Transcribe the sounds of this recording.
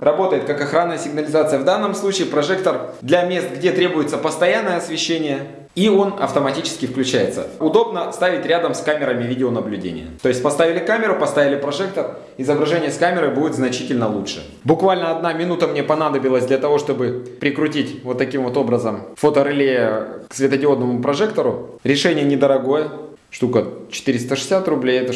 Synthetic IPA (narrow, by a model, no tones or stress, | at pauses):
rɐbo̞t̪əjɪt̪̚kakɐxɾanːəjəsʲɪɡnəlʲɪzat̪sɨjəvd̪anːəmslˠut͡ɕɪːpɾɐʐɛk̚t̪ərd̪lʲɐmʲe̞st̪̚ɡdʲet̪ɾʲe̞bʊjɪt̪səpəst̪ɐjanːəjəɐsvʲɪɕːenʲɪjə | io̞nɐ̰ft̪əmɐtʲit͡ɕɪ̥skʲɪfklʲʉt͡ɕæjɪt̪sə̰ʊd̪o̞bnəst̪avʲɪtʲɾʲad̪əmskamʲɪɾəmʲɪvʲidʲɪonəblʲʉdʲḛnʲɪ̰jə̰t̪o̞ɪsʲt̚ʲpɐst̪avʲɪlʲɪkamʲɪɾʊpɐst̪avʲɪlʲɪpɾɐʐɛk̚t̪ər | ɪzəbɾɐʐɛnʲɪjəskamʲɪɾəjbudʲɪt̪znɐt͡ɕitʲɪlʲnəlˠutʂɨ̰ | bʊkvalʲnəɐd̪namʲɪnut̪əmnʲe̞pɐnad̪əbʲɪlˠəsʲd̪lʲɐt̪ɐvo̞ʂt̪o̞bɨpɾʲɪkɾʊtʲitʲvo̞t̪ːɐkʲimvo̞t̪o̞bɾəzəmfo̞t̪əɾɪlʲejəksvʲɪt̪ədʲɪo̞d̪nəmʊpɾɐʐɛkt̪əɾʊ | ɾʲɪʂɛnʲɪjənʲɪd̪əɾɐɡo̞jə | ʂt̪ukət͡ɕɪ̥t̪ɨɾʲɪst̪əʂɨ̥sʲat̪rʊblʲejɛt̪ə